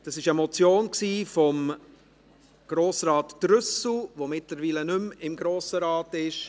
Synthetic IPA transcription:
d̥ɑsɪʃəmɔt͡sjoːnksiːfɔm | ɡ̥ɾoːsrɑːtːɾʏsl̩ʋomɪtləɾviːlənʏmɪmɡɾoːsəɾɑːtɪʃ

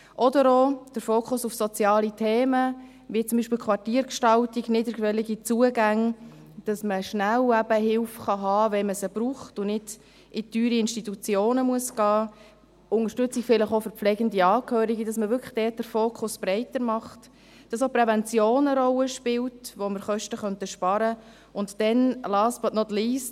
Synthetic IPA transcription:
ʔɔdəɾoːd̥əɾfoːkʰʊsufsot͡sjɑːlitʰeːmə | vit͡sʊmbiːʃpɪlkʰχvɑrtiːəɾkʃtɑltiɡnɪdəkʋɛliɡit͡suəɡæŋ | d̥ɑsməʃnælæbəɦɪlfχɑɦɑːvɛməsəb̥ɾuːχtʊnɪd̥ | ʔɪtyːɾiɪnʃtitut͡sjoːnəmuəsɡ̥ɑː | ʊŋəɾʃtʏt͡sɪkfɪləχofʏɾplɛɡəndiɑːkʰhøːɾiɡidɑsməʋʏɾkʰə̥χd̥ɛːt̚d̥əɾfoːkʰʊsb̥ɾɛɪtəɾmɑχt | d̥ɑsopɾɛvɛnt͡sjoːnəɾɔləʃpɪltʋoməɾχœʃtəχœntəʃpɑɾə | ʊntdɛnlɑːsbɑtnɔtliːs

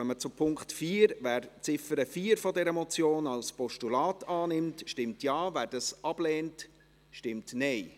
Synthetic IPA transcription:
ɛnmət͡sʊpʰʊŋktfiːəɾvæːɾt͡sɪfəɾəfiːəɾfɔdɛɾəmɔt͡sjoːnɑlspɔʃtulɑːtɑːnɪmtʃtɪmtjɑːvæːɾd̥ɑsʔɑb̥lɛːnt | ʃtɪmtnɛɪ

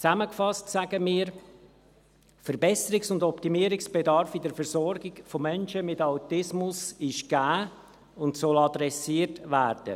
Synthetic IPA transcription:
t͡sæməkfɑstsæɡəmiːəɾ | fəɾbɛsəɾɪksʊndɔptimiːəɾɪksb̥ɛdɑɾfidəɾfɛɾzɔɾɡɪkfomɛnʃəmɪtawtɪsmʊsɪʃɡ̥æː | ʊntsɔlɑd̪ɾɛsiətvæːɾd̥ə̰

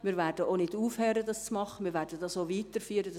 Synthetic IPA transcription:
miːɾvɛɾd̥əʔoːnɪduːfhɛːɾədɑst͡smɑχəmɪːɾvɛːɾd̥ədɑsoːviːt̪əɾfyːəɾədɑ

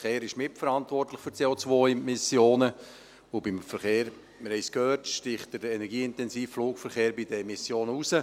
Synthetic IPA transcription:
χeːɾɪʃmɪtfəɾɑntʋɔrtləχfʏɾt͡seːot͡sʋojmɪsjoːnə | obɪmfəɾχeːɾ | məɾhɛjskhøːtʃtɪχt̚dədɛnɛɾɡiːɪntɛnsiːffluːkfəɾχeːɾbidəmɪsjoːnəusə

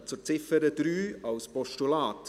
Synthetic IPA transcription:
t͡sʊɾt͡sɪfəɾəd̥̪ɾyːɑwspɔʃtulɑːt

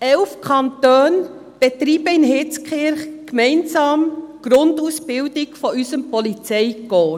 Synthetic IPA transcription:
ɛlfkʰɑntøːn | b̥ɛtɾiːbəɪnɦɪt͡skχɪɾχkmɛɪnsɑːmɡ̥ɾʊndusb̥ɪwdɪkfɔʔysəmpɔlit͡sɛɪɡɔː

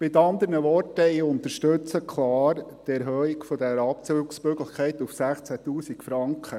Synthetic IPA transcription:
mɪt̪ɑnd̪əɾnəʋɔrtəiʊnt̪əʃtɵt͡səkʰlɑːɾtɛɾɦœːikfɔd̪ɛɾɑp̚t͡søːɡsmøɡləχkʰɛɪt̪ufsæχt͡sætuːsikfɾɑŋkχə

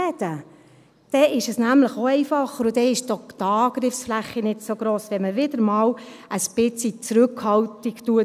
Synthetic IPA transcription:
ɛd̥ə | d̥ɛɪʃɛsnæmləχoɛɪfɑχəɾʊd̥̪ɛɪʃdɔχt̪ɑːɡ̥ɾɪfsflæχːinɪtsoɡɾoːsʋɛnməʋɪd̥̪əɾmɑːlʔəspɪt͡sit͡sɾʉkhɑltiktuə

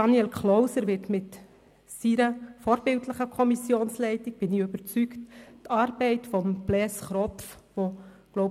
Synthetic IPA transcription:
ɑniɛlkχlɔʊsəɾʋɪtmɪt | siɾəfɔːɾbɪltləχəkʰɔmisjoːnslɛɪtik̚b̥ɪniøbəɾt͡sykttɑːɾbɛɪtfɔmb̥lɛsχɾɔpf | ʋo | ɡ̥lɔʊ

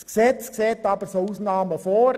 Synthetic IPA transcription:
sksɛt͡skseːtɑːbəsouːsnɑːməfoːɾ

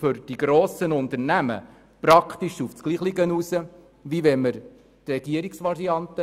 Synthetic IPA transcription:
fʏɾd̥iɡɾoːsənʊnt̪əɾnæmə̰ | pɾɑkχt̪iʃufsɡ̥liːχlɪɡənuːsə | ʋiʋɛməɾ | t̪ɾɛɡ̥iəɾiksʋɑɾiɑnt̪ə

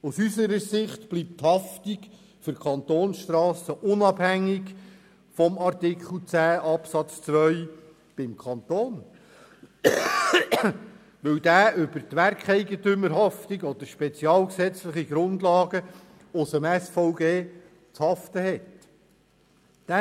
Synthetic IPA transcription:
usysəɾəsɪχtb̥lip̚thɑftik | fʏɾkʰɑnt̪oːnsʃtɾɑːsəʔʊnɑbhæŋːiɡ | fɔmɑrtɪkχl̩t͡sæːʔɑpsɑt͡st͡sʋœʏ | b̥ɪmkʰɑnt̪oːn | ʋɵwdæːʔʏb̥əɾtʋærkχɛɪɡətʏməɾɦɑftiɡɔd̥̪əɾʃpɛt͡siɑːlksɛt͡slɪχiɡ̥ɾʊnd̪lɑːɡə | ʊsəmɛsfɔʊɡeː | t͡shɑftəhɛt | d̥æ

